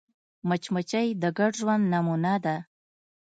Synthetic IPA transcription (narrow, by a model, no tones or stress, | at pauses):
mət͡ʃmət͡ʃajd̪əɡaɖʒwand̪namunad̪a